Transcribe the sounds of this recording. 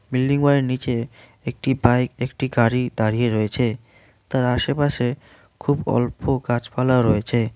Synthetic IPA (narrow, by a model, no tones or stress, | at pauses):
milːiŋbaɾeɾnit͡ɕe | ek̚ʈibajkekʈiɡaɽid̪aɾijeɾoet͡ɕʰe | t̪aɾaʃepaʃe | kʰubɔ̰lpoɡad͡ʑpalaoɾojet͡ɕʰe